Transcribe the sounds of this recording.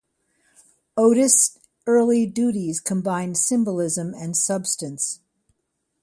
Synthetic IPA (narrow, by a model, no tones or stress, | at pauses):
oʊɾɨs | ɜ˞lˠidʉɾiz̥kʰə̃mbãɪ̃nsɪ̃mbəlˠɪzɨ̃mɨ̃nsʌbstɨ̃ns